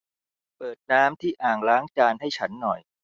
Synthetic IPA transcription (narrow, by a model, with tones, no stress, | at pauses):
pɤː˨˩t̪̚naː˦˥mt̪ʰiː˥˩ʔaː˨˩ŋɾaː˦˥ŋt͡ɕaː˧nɦa˥˩jt͡ɕʰa˦˥nːɔ˨˩j